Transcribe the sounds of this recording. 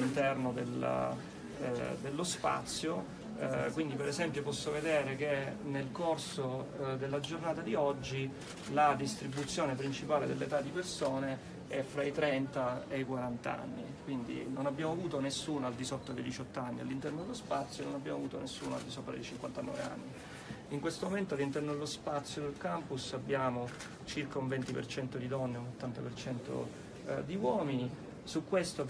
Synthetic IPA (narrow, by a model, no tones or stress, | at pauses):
lint̪ɛrnod̪ela̰ | d̪elːospa̰t̪sːjo | kwind̪ipeɾɛsɛmpjopɔsːoved̪ɛːɾek̟enelkorsod̪elːad͡ʒornaːt̪ad̪iɔd͡ʒːi | lad̪ist̪ɾibut̪sːjoːnep̬ɾint͡ʃipaːled̪elːet̪ad̪ːipersoːne | ɛfːɾait̪ɾɛnt̪aejkwaɾant̪aa̰nːḭkwind̪ḭnonabjaːmoavuːt̪onesːuːnoald̪isot̪ːad̪ejd̪it͡ʃɔt̪ːoanːia̰lːint̪ɛrnod̪elospat̪sːjononabːjaːmavuːt̪onesːuːnoa̰ld̪isopːɾa̰d̪ḛjt͡ʃiŋkwant̪anɔ̰ːvḛa̰nːi | iŋkwest̪omoment̪oalːint̪ɛrnod̪elːospat̪sːjod̪elkampusabːjaːmo | t͡ʃirkauɱvɛnt̪ipḛrt͡ʃɛnt̪od̪id̪ɔnːeunot̪ːant̪apert͡ʃɛnt̪o̰ | d̪iwɔːmini | sukːwest̪o